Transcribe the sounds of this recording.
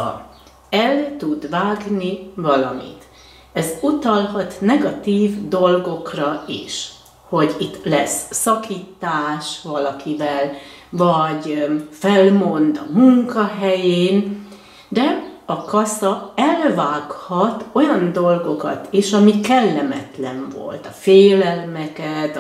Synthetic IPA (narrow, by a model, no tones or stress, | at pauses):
ɛlt̪ud̪vaːɡnivɒlɒ̰mḭt̪ | ɛzut̪ɒlɦɒt̪nɛɡɒt̪iːvd̪o̞lɡo̞krɒiʃ | ho̞ɟit̪ːlɛsːɒkʰiːt̪aːʃʋɒlɒkivɛlvɒɟfɛlmo̞nd̪ɒmuŋkɒɦɛjeːn | d̪ɛɒkɒsɒɛlvaːkhɒt̪o̞jɒnd̪o̞lɡo̞kɒ̰t̪eːʃɒmikɛlːɛmɛt̪lɛɱvo̞̰lt̪ɒfeːlɛlmɛkɛt̪